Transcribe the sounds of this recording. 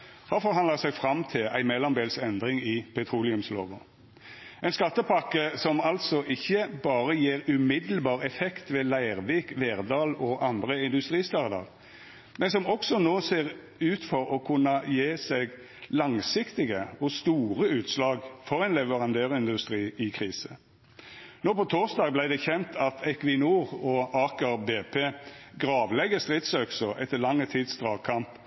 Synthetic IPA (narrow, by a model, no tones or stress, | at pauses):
hɑfɔʁɦɑnd̪ləʁsæɡfɾɑmt̪ʰɪlæ̰ɪmɛlːɔmb̪eːlsɛnd̪ʁɪŋɪpʰɛt̪ʰɾuːlɪʉmslo̰ːʋə̰ | æɛɪnskɑt̪ːəpʰɑkːəsɔmɑlt̪sɔʔɪçːəbɑːɾəjeːʁʉmɪd̪l̩bɑːʁɛfɛkt̪ʋɛːlæɪʁʋiːkʋeːʁd̪ɑːlɔʔɑnd̪ʁəɪnd̪ʉst̪ɾiːst̪ɑʁd̪ɑ̰ʁ | mɛnsɔmɔksɔnoːseːʁ | ʉːt̪fɔɾɔkʰʉnːəjeːsɛɡ | lɑŋsɪkt̪ɪɡəɔst̪uːʁəʉːt̪slɑːɡfɔʁɛɪnlɛʋəʁɑnd̪øːʁɪnd̪ʉst̪ʁiːɪkʰʁiːsə | noːpɔt̪ʰoːʁsd̪ɑːɡblæɪd̪ɛçɛnt̪ʰɑt̪ʰɛkʋɪnuːʁɔɑːkəʁbeːpʰeːɡʁɑːʋlɛɡəst̪ʁɪt̪søksɔʔɛt̪ːəlɑŋːət̪ʰiːd̪sd̪ʁɑːkʰɑmp